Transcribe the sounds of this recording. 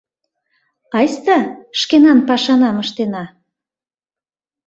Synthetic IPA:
ɑjst̪ɑʃkenɑnpɑʃɑnɑməʃt̪enɑ

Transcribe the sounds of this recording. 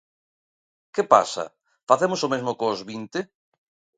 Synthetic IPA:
kɪpa̰sɐ̰ | faθemʊsomezmʊkozβint̪ɪ

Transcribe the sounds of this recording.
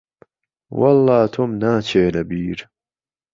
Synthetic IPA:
wʔɐlːɑːt̪ʰomnaːt͡ʃʰeːnɐbiːɾ

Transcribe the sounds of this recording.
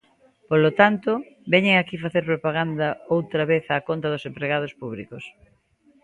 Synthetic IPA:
polot̪ant̪o | bɛɲeŋakifaθeɾpɾopaɣ̞and̪ɐowt̪ɾaβeθakont̪ɐðosempɾeɣað̞ospuβ̞likos

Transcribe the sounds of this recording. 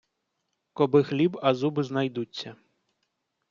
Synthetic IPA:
kɔbɪxlʲibɐzubɪznɐjd̪ut͡sʲːɐ

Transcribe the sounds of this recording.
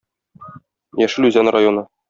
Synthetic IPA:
jæʃɘlʉzænrajonɤ

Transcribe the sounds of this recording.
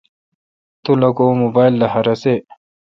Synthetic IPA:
t̪ulɐkomobaːjlːɐɦɐɾɐse

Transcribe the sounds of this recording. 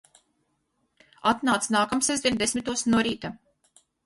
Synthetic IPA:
at̪naːt̪snaːkamsɛzd̪ʲinʲd̪esmʲit̪uɔsnuɔɾiːt̪a

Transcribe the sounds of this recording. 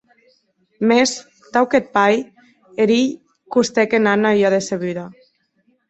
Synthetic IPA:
mes | t̪awket̪̚paj | eɾiʎ | kust̪ekenanajaðeseβyða

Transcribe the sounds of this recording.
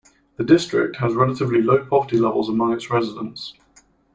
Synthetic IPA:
ðədɪstɹ̥ɪ̰k̚thəzɹɛlətɪvliləʊpʰɒvətilɛvə̰lˠzəmʌ̃ŋɪtsɹɛzɪdə̃nts

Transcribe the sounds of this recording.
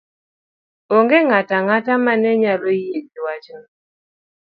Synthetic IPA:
oŋɡeŋataŋatamanɛɲalojediwat͡ʃnɔ

